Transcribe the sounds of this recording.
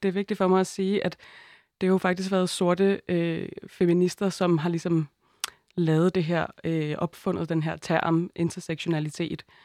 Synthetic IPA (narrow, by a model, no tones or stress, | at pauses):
d̥e̝æɐʋe̝ɡ̥̚d̥id̥fɒ̽mɑ̈ɪæsiːʔæd̥ | d̥e̝hɑjo̝fɑ̈ɡ̥d̥isɡ̥ʋæɐð̩ˠso̝ɐd̥əøfeminisd̥ɐsɒ̽mɦɑ̈lisɒ̽m | lɛːð̩ˠd̥e̝ɦeɐ̰øʔɒ̽b̥fɔ̽n̰ð̞̩ˠd̥enɦeɐ̰t͡sʰæɐ̰mʔe̝nt͡sʰɐseɡ̥ɕo̝nælit͡sʰe̝̰ːd̥